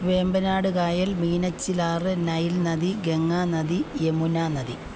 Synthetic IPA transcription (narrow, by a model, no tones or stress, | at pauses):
ʋe̞ːmbɐnaːɽɨkaːjɐlmiːnɐt͡ɕːilaːrɨnɐjilnɐd̪iɡe̞ŋːaːnɐd̪ijemunaːnɐd̪i